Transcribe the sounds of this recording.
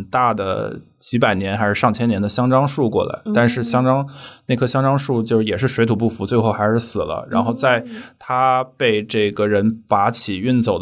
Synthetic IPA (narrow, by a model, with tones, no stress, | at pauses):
nt̪a˥˩d̪ə̰˩ | t͡ɕi˧˥p̬a˨˩ɪnjɛ˧˥nxa˧˥ɪʂɻ̩˥˧ʂɑ˥˩ŋt͡ɕʰjɛ˥njɛ˧˥nd̪ə˧ɕjɑ˥ŋʈ͡ʂɑ˥ŋʂu˥˧kwɔ̰˥˩la̰˧˥ɪt̪a˥˧nʂɻ̩˥˩ɕjɑ˥ŋʈ͡ʂɑ˥ŋna˥˩ɪkʰɤ˥˩ɕjɑ˥ŋʈ͡ʂɑ˥ŋʂu˥˧t͡ɕjo˥˧ʊʂɻ̩˥˩jɛ˨˩ʂɻ̩˥˩ʂwɪt̪ʰu˨˩p̬u˥˩fu˧˥t͡swe˥˧ɪxo˥˩ʊxa˧˥ɪʂɻ̩˥˩sɹ̩˨˩lə̰˦ɻa̰˧˥nxo˥˧ʊt͡sa˥˧ɪt̪ʰa˥pe˥˧ɪʈ͡ʂɤ˥˩ɡə˩ɻə˧˥npa˧˥t͡ɕʰi˨˩y˥˩nt͡so˨˩ʊ